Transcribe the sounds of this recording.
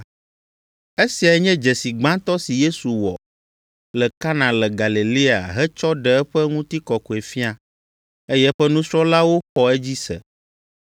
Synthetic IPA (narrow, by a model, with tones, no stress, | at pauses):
e˦si˨a˨˦ɲɛ̃˦d͡ʒɛ˨si˨ɡ͡bã˦t̪ɔ˦si˨je˦su˨wɔ̰˨ | lɛ˨ka˦nã˨lɛ˨ɡa˨li˨li˦a̰˨ɦɛ˦t͡ʃɔ˦ɖɛ˨ɛ˦ɸɛ˦ŋũ˦t̪i˦kɔ˨ko˨e˨fi˦a˨ | e˦jɛ˦ɸɛ˦nũ˦sɾɔ̃˦la˦wo˦xɔ˦ɛ˦d͡ʑi˦sɛ̰˨